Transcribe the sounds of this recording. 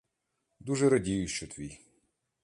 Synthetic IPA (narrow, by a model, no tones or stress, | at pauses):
d̪uʒɛɾɐdʲijʊʃt͡ʃɔt̪ʋʲij